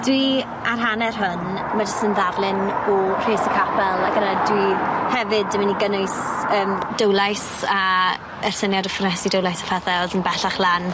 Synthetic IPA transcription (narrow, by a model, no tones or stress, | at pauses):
d̥wi | arɦanɛrɦʊn | mad͡ʒɪsənðavlˠɪnɔr̥eːsəkʰapʰɛlˠaɡənadwihɛvɨdəmaniɡənʊɨsəːmdəwlˠajs | a | ɛr̥sənjadɔfʊrnɛsidəwlˠajsḁfʰaθɛɔðənbɛɬaχlˠan